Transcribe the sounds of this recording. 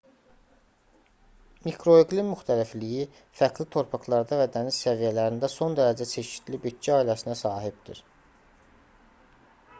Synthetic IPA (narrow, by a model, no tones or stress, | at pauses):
mikʰɾo̞iɡlinmyxt̪ʰælifliji | fækʰlit̪ʰo̞ɾpʰɑxlˠɑɾd̪ɑvæd̪ænissævijælæɾind̪æso̞nd̪æɾæd͡ʒæt͡ʃʰe̞ʃi̥d̪libyt̪t͡ʃːiɑːilæsinæsɑːɦibd̪ḭɾ̥